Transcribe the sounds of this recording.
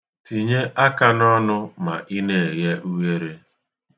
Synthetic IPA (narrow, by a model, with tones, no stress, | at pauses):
ti˨ɲe˦ʔa˦ka˨˦nɔ˦nʊ˦ma̰˨ʔi˦ne˨e˨ɣe˦ʔu˦we˦ɾe˦